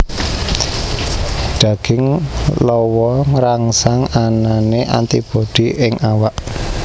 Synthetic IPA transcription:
ɖ̪̥ä̤ɡ̥ɪŋlɔwɔŋɾaŋsaŋananeʔa̰nt̪ib̥oɖ̪̥iʔɪŋawaʔ

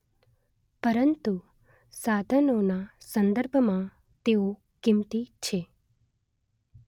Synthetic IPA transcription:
pəɾənt̪u | sad̪ʱənonasə̃nd̪əɾbʱmã | t̪eo | kɪmt̪it͡ʃʰe

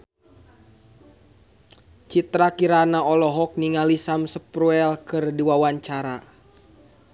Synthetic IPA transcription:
t͡ʃit̪ɾakiɾanaɔlɔɦɔk̚niŋalisamsəpɾuɛlkɨrdiwawaɲt͡ʃaɾa

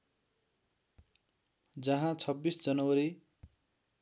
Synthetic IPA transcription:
d͡zʌɦãt͡sʰʌbːisd͡zʌnʌwʌɾi

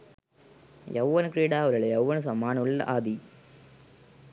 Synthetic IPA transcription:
jɐ̰wːɐnɨkɾiːɽaːʋɐɾɐɭejɐwːɐnɨs̬ɐmːaːnuɭːɐ̰ʔaːd̪i

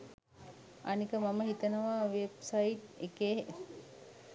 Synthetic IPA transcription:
anikəmaməɦit̪ənəʋaːʋebsaiʈekeː

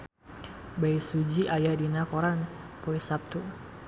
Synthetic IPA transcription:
bajsud͡ʒiʔajadinakɔɾanpoisap̚t̪u

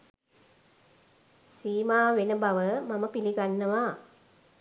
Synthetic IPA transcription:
siːmaːʋenəbaʋəmaməpiliɡanːəʋaː

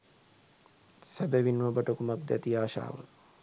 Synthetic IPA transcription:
sæbəʋinːɐbəʈəkumak̚d̪ɛt̪iaːʃa̰ːʋə

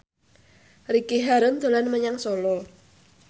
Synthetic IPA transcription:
rikeɦaɾənd̪̥o̤lanməɲaŋsɔlɔ

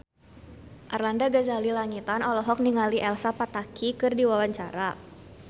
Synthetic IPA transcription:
ʔarlandaɡazalilaŋit̪anɔlɔɦɔk̚niŋaliʔɛlsapat̪akʰikɨrdiwawaɲt͡ʃaɾa

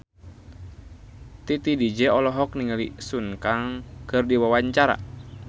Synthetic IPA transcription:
t̪it̪idid͡ʒɛɔlɔɦɔk̚niŋalisunkaŋkərdiwawaɲt͡ʃaɾa̰

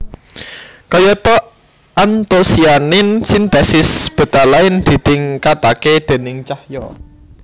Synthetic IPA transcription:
kɔjɔt̪ɔ | ʔant̪osianɪnsint̪ɛsɪsb̥ə̤d̪̥a̤laɪnd̪̥i̤d̪̥ɪŋkat̪aked̪̥e̤nɪŋt͡ʃahjɔ̰

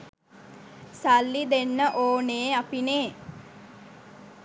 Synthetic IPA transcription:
salːid̪enːəʔoːneːapineː

